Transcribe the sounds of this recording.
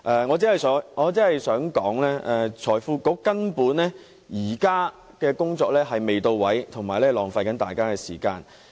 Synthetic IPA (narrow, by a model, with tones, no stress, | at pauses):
ʔɛː˨˧ŋɔ˨˧t͡siː˨˥hɐ˨jsœː˨˥ŋŋɔː˨˧t͡siː˨˥hɐ˨jsœː˨˥ŋkɔː˨˥ŋlɛː˥ʔɛ˧t͡ʃʰɔː˨˩jfuː˧kɔː˨˥kɐ˥npuː˨˥nlɛː˥ | jiː˨˩kaː˥ | kɛː˧kʊ˥ŋt͡sɔː˧k̚lɛː˥ɦɐ˨jme˨jt̪o˧wwɐ˨˥jt̪ʰʊ˨˩ŋmaː˨˩jlɛː˥lɔː˨˩ŋfaː˧jkɐ˨˥nt̪a̰ː˨jkaː˥kɛː˧siː˨˩ka̰ː˧n